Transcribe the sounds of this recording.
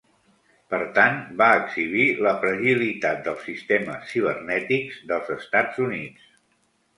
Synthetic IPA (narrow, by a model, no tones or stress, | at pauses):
pəɾt̪anbaəɡz̥iβiləpɾəʒilit̪at̪̚d̪əlˠsːist̪eməsːiβ̞ərnɛt̪ikzðəlˠzəst̪ad͡zunitt͡s